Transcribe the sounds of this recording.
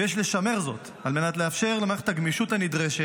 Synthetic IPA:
jeʃle̞ʃame̞ʁzo̞̰t | almenat̪leafʃe̞ʁlemaeχt̪aɡmiʃutanid̪ʁeʃe

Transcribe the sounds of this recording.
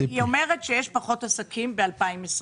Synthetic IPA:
iomeʁetʃejeʃpaχo̞tasakʰimbealpaimes

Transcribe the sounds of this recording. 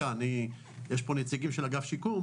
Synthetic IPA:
ani | jeʃpo̞net͡siɡimʃelaɡafʃikum

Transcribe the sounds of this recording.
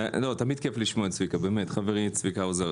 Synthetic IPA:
lo̞t̪amid̪̚kefliʃmoetsvikabeːmet̪χaveʁisvikaoza

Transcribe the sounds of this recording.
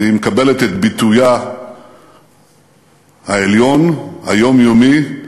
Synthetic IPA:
imekabe̞let̪et̪bit̪uja | haeljo̞nhajo̞mjomi

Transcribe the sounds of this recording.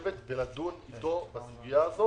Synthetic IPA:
vet̪belad̪unit̪o̞basuɡijaːzo

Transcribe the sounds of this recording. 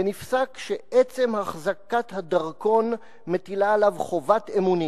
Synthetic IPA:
enifsakʃeʔet͡se̞mhaχzakat̪had̪aʁko̞n | me̞t̪ilaelavχo̞vat̪emuni

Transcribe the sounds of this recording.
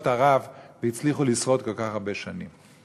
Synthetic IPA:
t̪aʁavveit͡sliχulisvo̞t̪ko̞lkaχaʁbe̞ʃanim

